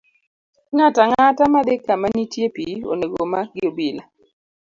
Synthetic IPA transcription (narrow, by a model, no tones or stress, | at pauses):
ŋataŋatamadekamanitjepio̰neɡomaɡɪobila